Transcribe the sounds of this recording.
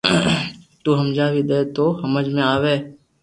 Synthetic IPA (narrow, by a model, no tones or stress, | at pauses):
t̪uːɦɐmd͡ʒaːʋid̪eːt̪oːhɐməd͡ʒmẽaːʋeː